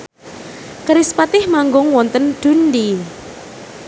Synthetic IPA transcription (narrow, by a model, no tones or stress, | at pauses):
kəɾispat̪ɪhmaŋɡʊŋwɔnt̪ənɖ̪̥ṳndi